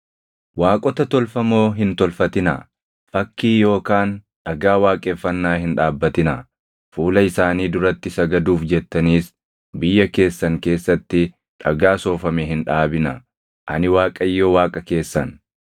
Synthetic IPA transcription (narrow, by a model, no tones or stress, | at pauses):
waːkʼɔt̪ɐt̪ɔlfɐmo̞ːɦɪnt̪ɔlfɐt̪ɪnɐ̰ | fɐkːiːjo̞ːkaːnᶑɐɡaːwaːkʼeːfːɐnːaːhɪnᶑaːbːɐt̪ɪnɐ | fuːlɐɪsaːniːd̪ʊɾɐt̪ːɪsɐɡɐd̪uːfd͡ʒɛt̪ːɐniːs | bɪjːɐke̞ːsːɐŋke̞ːsːɐt̪ːɪ | ᶑɐɡaːso̞ːfɐmeɦɪnᶑaːbɪnɐ | ʔɐ̰nɪwaːkʼɐjːowaːkʼɐke̞ːsːɐn